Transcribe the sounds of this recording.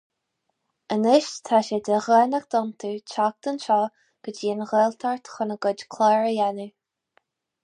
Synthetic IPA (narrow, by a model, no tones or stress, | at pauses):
ənɪʃt̪ʰaʃɛd̪əɣɛnakd̪ɔnt̪ʰut͡ʃʰak̚t̪ənʃɔː | ɡ̥əd͡ʒiːnɣɛːlt̪ʰaɹt̪xənəɡʊd͡ʒkʰlɛːɹəjɛnu